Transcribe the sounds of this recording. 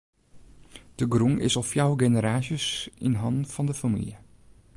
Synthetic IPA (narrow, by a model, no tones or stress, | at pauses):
d̥əɡruŋʔɪ̰sɔlfjawɡenəɾaːʃjəsḭnɦɑnfɑndəfamḭljə